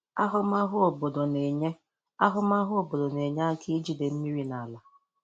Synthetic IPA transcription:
a˦ɦʊ˦ma˦ɦʊ˦o˨bo˨do˨ne˨ɲe˦ | a˦ɦʊ˦ma˦ɦʊ˦o˨bo˨do˨ne˨ɲa˦a˦ki˦d͡ʒi˨de˨m̩˦mi˦ɾi˦na˨la˨

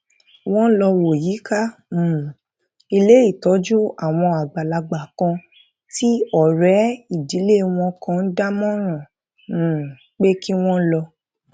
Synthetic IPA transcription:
w̃ɔ̃˦lɔ˧wo˨ji˨˦ka˦mũ˨ | i˧le˦i˦˨tɔ˨˦d͡ʒu˦a˨w̃ɔ̃˧a˨ɡ͡ba˨la˨ɡ͡ba˨kã˧ | ti˦ɔ˦˨ɾɛ˨˦i˨di˨˦le˦w̃ɔ̃˧kã˧n̩˦da˦mɔ̃˦ɾ̃ɔ̃˨ | k͡pe˦ki˦w̃ɔ̃˦lɔ˧

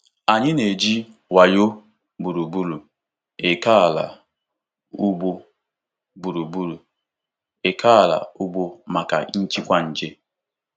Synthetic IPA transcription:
a˨ɲɪ˦ne˨d͡ʒi˦ | wa˨jo˦ | bu˨ɾu˨bu˦lu˨ | e˨ka˦a˨la̰˨ | u˦ɡ͡bo˦ | bu˨ɾu˨bu˦ɾu˨ | e˨kʰa˦a˨la̰˨u˦ɡ͡bo˦ma˨ka̰˨n̩˦t͡ʃi˦kʷa˦n̩˨d͡ʒe˦

